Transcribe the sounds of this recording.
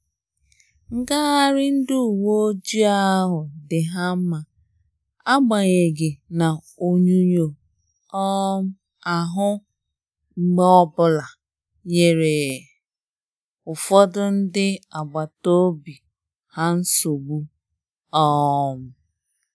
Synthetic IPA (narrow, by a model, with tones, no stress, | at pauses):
ŋ̩˦ɡa˦a˦ɾɪ˦n̩˦du˦˨wo˦d͡ʒi˦a˦ɦʊ˨dɪ˨ɦa˦m̩˦ma˨ | a˦ɡ͡ba˨ɣe˨ɡɪ˨na˨ | o˦ɲu˦ɲo˨ | ɔ˦m̩˦ | a˨ɦʊ˦ | ŋ͡m̩˨ɡ͡be˦ɔ˦bʊ˦la˨ | ɲe˨ɾe˨ | ʊ˨fɔ˦dʊ˦n̩˦dɪ˦a˨ɡ͡ba˨to˦bi˨ | ha˦n̩˦so˨ɡ͡bu˦ | ɔ˦m̩˦˨